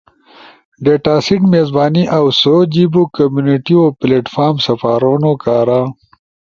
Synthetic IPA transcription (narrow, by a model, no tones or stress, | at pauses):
ɖeʈaːsiʈmeːzbaːniʔawsod͡ʑibukɐmjuniʈiopleːʈfaːɾmsɐfaːɾonokaːɾa